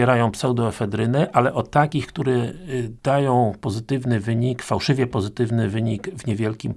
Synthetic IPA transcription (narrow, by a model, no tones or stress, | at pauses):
ɛɾajɔ̃w̃psɛwd̪ɔɛfɛd̪ɾɘnɘʔalɛʔɔt̪ːakʲixkt̪uɾɛd̪̥ajɔ̃w̃pɔzɘt̪ɘvnɘvɘɲikfawʂɘvʲjɛpɔzɘt̪ɘvnɘvɘɲikvɲɛvʲjɛlkʲim